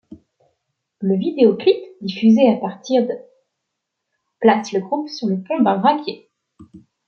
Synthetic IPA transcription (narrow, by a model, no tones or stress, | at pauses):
ləvid̪eɔklitd̪ifyzeapaʁt̪iʁd̪ə | plasləɡʁupsyʁləpɔ̃d̪ɛ̃ʁakʲje